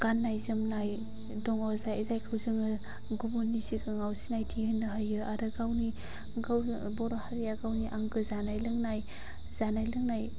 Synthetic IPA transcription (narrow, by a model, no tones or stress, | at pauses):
ɡ̥anːajzɯmnaj | dɔŋɔzajezajkʰɯwzɯŋɯ | ɡubunisikɯŋawsinajtʰihɯnːɯɦajɯaɾɯɡawni | ɡaw | bɔɾɔhaɾijaɡawniʔaŋɡɯzanajlɯŋnaj | z̥anajlɯŋnaj